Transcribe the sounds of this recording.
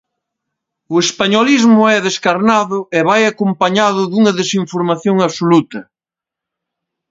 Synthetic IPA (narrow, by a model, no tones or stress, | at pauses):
ʊespaɲolizmʊɛðeskaɾnaðʊeβajakompaɲaðʊðuŋɐðesiɱfoɾmaθjoŋaβsolut̪ɐ